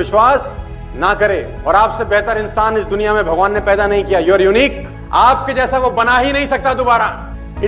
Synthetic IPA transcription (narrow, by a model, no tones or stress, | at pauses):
ɪʃwaːs | nɐkɐɾeː | ɔːɾaːpsebɛɦt̪əɾɪ̃nsaːnɪsd̪ʊnijamẽbʱɐɡʋaːnːepɛːd̪anɐɦĩkijajoɾjuniːk | aːp̚ked͡ʒɛːsaʋobɐnaːɦinɐɦĩsɐk̚t̪ad̪obaːɾa